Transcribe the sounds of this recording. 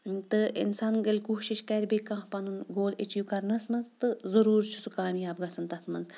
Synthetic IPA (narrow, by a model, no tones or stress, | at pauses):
t̪ɨḭnsaːnɡɐlʲkoːʃiʃkɐɾʲbikãɦpɐnunɡoːlit͡ʃjukɐɾnɐsmɐnzt̪ɨzɐɾuːɾt͡ʃʰu̥sukaːmjaːbɡɐsɐnt̪ɐt̪ʰmɐnz